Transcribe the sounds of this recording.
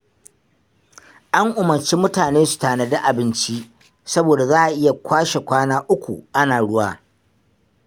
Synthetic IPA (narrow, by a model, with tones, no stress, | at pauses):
ʔa˦ŋʔʊ˨mɐ˨ɾt͡ʃi˦mʊ˦taː˨neː˦su̥˨taː˨ne˦da˦ʔa˨bɪ˦nt͡ʃi˦ | sɐ˦boː˨da˨zaː˦ʔa˨ʔɪ˦ja˨kʷʰaː˦ʃe˨kʷaː˦naː˦ʔʊ˦kʷṵ˨ʔa˦naː˨ɽʊ˦waː˦